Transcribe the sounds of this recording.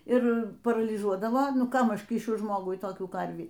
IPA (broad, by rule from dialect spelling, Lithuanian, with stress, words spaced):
ɪr pɐrɐlʲiːˈʒuɔdɐʋoː ˈkɐm ˈɐʃ ˈkʲiːʃʲʊ ˈʒmoːɡʊɪ toːˈkʲuː ˈkɐrʲʋʲiː